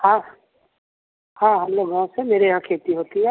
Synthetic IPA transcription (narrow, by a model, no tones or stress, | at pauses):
hã | hãːɦɐmloːɡɡãːw̃semeːɾeɦãkʰeːt̪iɦoːt̪iɦɛː